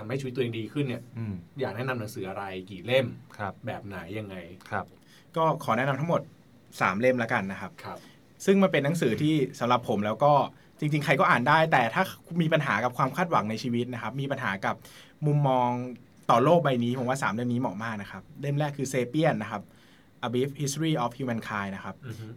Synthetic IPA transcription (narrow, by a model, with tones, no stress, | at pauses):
a˧mha˥˩t͡ɕʰːt̪ːʔeː˧diː˧kʰɯ˥˩ni˥˩ɐː˧jaː˨˩k̚nɛ˥na˧mna˩˦ŋsɯː˩˦ʔa˧ɾa˧jkiː˨˩le˥˩mʰ˧bɛː˨˩p̚naː˩˦jːa˧ŋːa˧jʰ | kɔː˥˩kʰɔː˩˦nɛ˦˥na˧mt̪ʰa˦˥ŋmo˨˩t̪̚ | saː˩˦mle˥˩mlɛː˦˥ka˧nːa˦˥kʰa˦˥p̚ʰ | sɯ˥˩ŋma˧npe˧nːa˨˦˥ŋsɯː˩˦t̪ʰiː˥˩sa˩˦mɾa˨˩pʰːo˩˦mlɛː˦˥wkɔː˥˩ | t͡ɕi˧ŋt͡ɕi˧ŋkʰa˧jkɔː˥˩ʔːndaː˥˩jt̪ɛː˨˩t̪ʰaː˥˩miː˧pa˧nɦaː˩˦ka˨˩p̚kʰwaː˧mkʰaː˥˩t̪̚wa˨˩˦ŋna˧jt͡ɕʰiː˧wi˦˥t̪̚na˦˥kʰa˦˥p̚miː˧pa˧nɦaː˩˦ka˨˩p̚ | mu˧mːɔː˧ŋ | t̪ɔː˨˩loː˥˩k̚ba˧jniː˦˥pʰo˩˦waː˥˩saː˩˦mle˥˩mniː˦˥mɔː˨˩k̚maː˥˩k̚na˦˥kʰa˦˥p̚le˥˩mlɛː˥˩kʰːɯː˧seː˧pi˥˩ənːa˦˥kʰa˦˥p̚ | ʔa˧bi˦˥p̚hi˦˥st̪ɾiː˥˩ʔɔː˨˩fhjuː˧mɛ˧nkʰaː˧jna˦˥kʰa˦˥p̚